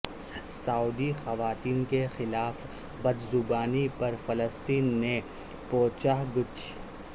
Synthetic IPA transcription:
saːuːd̪ixɐʋaːt̪iːnkexɪlaːf | bɐd̪zʊbaːnipɐɾfɐləst̪iːnːe | poːt͡ʃaɦɡʊt͡ʃ

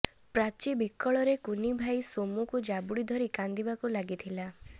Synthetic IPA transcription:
pɾat͡ʃibikːɔɭɔɾekunibʱajsomukud͡ʒabuɽid̪ʱɔɾikand̪ibakulaɡit̪ʰila

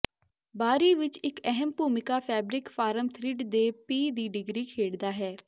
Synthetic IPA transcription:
baːɾiːʋɪt͡ʃɪkɛɦəmpuːmɪkaːpʰɛːbɾɪkfʰaːɾəmt̪ʰɾɪʈd̪eːpiːd̪iːɖɪɡɾiːkʰeːɽd̪aːɦɛː

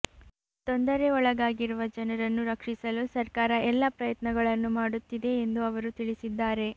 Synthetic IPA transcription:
t̪ond̪ɐɾe̞ɔɭɐɡaːɡiɾuʋɐd͡ʒɐnɐɾɐnːuɾɐkʂisɐlusɐɾkaːɾɐʔɛlːɐpɾɐjɐt̪nɐɡɐɭɐnːumaːɽut̪ːid̪e̞ːnd̪uɐʋɐɾut̪iɭisid̪ːaːɾe̞

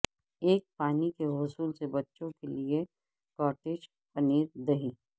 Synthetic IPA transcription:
eːk̚paːnikeɦʊsuːlsebɐtːʃõkelie | kɔːʈeːd͡ʒ | pɐniːɾd̪ɐɦiː

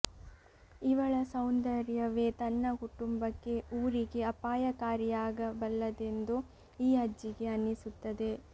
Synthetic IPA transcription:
iʋɐɭɐsɐwnd̪ɐɾjɐʋeːt̪ɐnːɐkuʈumbɐkːe̞uːɾiɡe̞ɐpaːjɐkaːɾijaːɡɐbɐlːɐd̪e̞nd̪u | iːɦɐd͡ʒːiɡe̞ɐnːisut̪ːɐd̪e̞

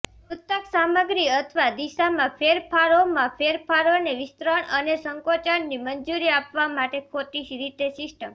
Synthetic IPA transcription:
ut̪ːəksaməɡɾiət̪ʰʋad̪iʃamãpʰeɾpʰaɾomãpʰeɾpʰaɾoneʋɪst̪ɾəɳənesəŋkot͡ʃəɳnimənd͡ʒuɾiapʋamaʈekʰot̪iʃɾit̪esɪsʈəm

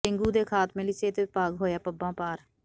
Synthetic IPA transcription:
ɪŋɡuːd̪eːkʰaːt̪mẽːlɪseːt̪eːɪpaːɡɦoːjaːpəbãːpaːɾ

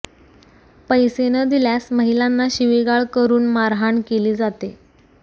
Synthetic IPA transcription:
pəjsenəd̪iljasməɦilanːaɕiʋiɡaɭkəɾuːnmaɾɦaɳkeliːd͡zat̪e

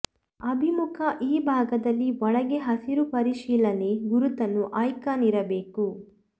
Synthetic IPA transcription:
ɐbʱimukʰɐʔiːbʱaːɡɐd̪ɐlːiʋɔɭɐɡe̞ɦɐsiɾupɐɾiʃiːlɐne̞ɡuɾut̪ɐnːuʔaːjkaːniɾɐbe̞ːku

